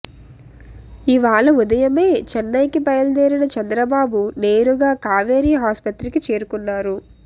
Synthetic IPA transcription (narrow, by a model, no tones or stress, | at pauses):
iʋaːɭɐud̪ɐjɐme̞ːt͡ʃɛnːɐjkipɐjɐld̪eːɾinɐt͡ʃɐnd̪ɾɐbaːbune̞ːɾuɡaːkaːʋeːɾiːɦaːspɐt̪ɾikit͡ʃe̞ːɾukunːaːɾu